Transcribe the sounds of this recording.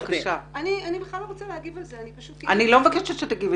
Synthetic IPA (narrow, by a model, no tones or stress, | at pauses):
kaʃaanianibeχlaloʁot͡salehaɡivalzeanipaʃut̪anilomevakeʃeʃet̪aɡiv